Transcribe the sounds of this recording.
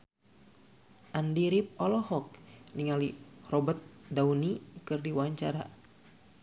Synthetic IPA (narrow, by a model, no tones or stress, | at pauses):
ʔandiɾip̚ɔlɔhɔk̚niŋalirɔbət̪̚daunikɨrdiwaɲt͡ʃaɾa̰